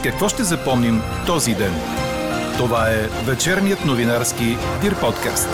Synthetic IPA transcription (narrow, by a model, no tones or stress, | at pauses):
kɐkvɔʃt̪ɛzɐpɔmnim | t̪ɔzid̪ɛn | t̪ovaɛvɛt͡ʃɛɾnijət̪novinaɾski | d̪iɾpɔt̪ka̰st̪